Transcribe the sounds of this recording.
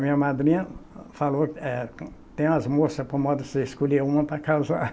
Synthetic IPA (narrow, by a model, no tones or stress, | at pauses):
mĩɲɐmad̪ɾĩɲɐfaloɛt̪ẽj̃azmosɐpomɔd̪ʊseɪskoleũmɐpɾɐkazaɾ